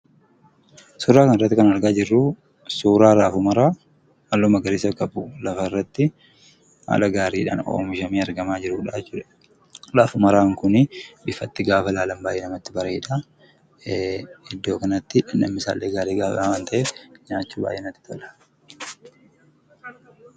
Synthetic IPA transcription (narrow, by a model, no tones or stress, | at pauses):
suːɾaːkɐnɪrːɐt̪ːɪkɐnɐɾɡaːd͡ʒɪrːʊ | suːɾaːɾaːfʊmɐɾaː | ɐlːɔːmɐɡɐɾɪsɐkɐbulɐfɐɪrːɐt̪ːɪ | ha̰ːlɐɡaːɾiːᶑa̰ːno̰ːmɪʃɐmiːɐɾɡɐmaːd͡ʒɪɾuːᶑaːt͡ʃːʊːᶑɐ | ɾaːfʊmɐɾaːŋkʊnɪbɪfɐt̪ːɪɡaːfɐlaːlɐmbaːjʔeːnɐmɐt̪ːɪbɐɾɐɪᶑa | ɪd̪ːo̞ːkɐnɐt̪ːɪᶑɐnɐ̰mːɪsa̰ːlːeːɡaːɾiːɡaːfawaːnt̪ɐʔɛɲaːt͡ʃːuːba̰ːjːʔeːnɐt̪ːɪ̥t̪ɔᶑɐ̥